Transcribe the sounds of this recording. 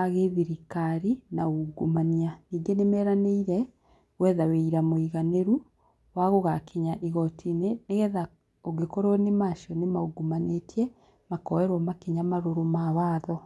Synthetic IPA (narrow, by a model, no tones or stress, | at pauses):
aɣeðiɾikaɾinauɡumanianiːɡenemɛːɾaneiɾɛ | wɛðaweiɾamoiɣaneɾu | waɣoɣakʰiɲaʔiɣɔtʰineɣɛða | oɡekoɾonemaʃɔnemauɡumanetjɛ | makɔwɛɾwɔmakiɲamaɾoɾomaβaːðɔ